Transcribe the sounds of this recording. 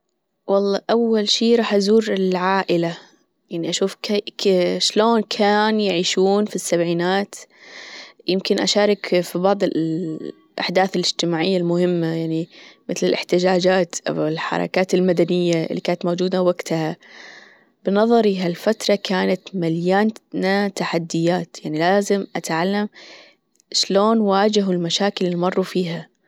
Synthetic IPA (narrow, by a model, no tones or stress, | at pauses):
wɑlˤːɑːʔawːalʃiːɾˤɑːħʔazuːɾɪlʕaːʔɪla | jaʕniʔaʃuːfk | ʃloːnkʰaːnjɪʕiːʃuːnfisːabʕiːnaːt̪ | jɪmkɪnʔaʃaːɾˤɑkfibɑʕd̪ˤɨ | ʔa̰ħd̪aːθɪlʔɪd͡ʒt̪ɪmaːʕɪjːalmʊhɪmːajaʕnimɪθlɪlʔɪ̰ħt̪ɪd͡ʒaːd͡ʒaːt̪ʔa̰wɪlħɑ̰ɾˤɑ̰kaːt̪ɪlmad̪anɪjːaɪ̰lːikaːnat̪moːd͡ʒuːd̪awaɡt̪aha | b̥ɪnɑðˤɑɾˤiɦalfat̪ɾˤɑkʰaːnat̪maljaːnnat̪aħad̪ːɪjːaːt̪jaʕnilaːzɪmʔat̪ʕalːam | ʃloːnwaːd͡ʒɪɦʊlmaʃaːkɪlmɑrˤːufiːɦa